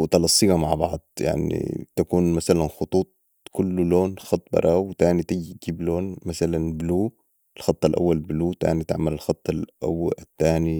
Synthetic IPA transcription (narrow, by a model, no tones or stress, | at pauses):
wt̪ɑlɑsˤːiːɣamaʕbɑʕd̪ˤja̰ʕnḭt̪akuːnmasalanxʊt̪ˤuːt̪̚ˤ | kʊlːuloːnxɑt̪ˤːbɑ̰ɾˤʔɑːwt̪aːnit̪iɡiɡiːbloːnmasalanbluː | ɪlxɑt̪ˤːalʔa̰wːalbluːt̪a̰ːnit̪ɪ̰ʕmalɪlxɑt̪ˤːɑlʔa̰wːat̪ːaːni